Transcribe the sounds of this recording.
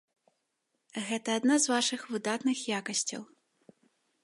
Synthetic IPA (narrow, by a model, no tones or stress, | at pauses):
ɣɛt̪ɐːd̪nazvaʂɨxvɨd̪at̪nɨxjakɐsʲt͡sʲɐ̰w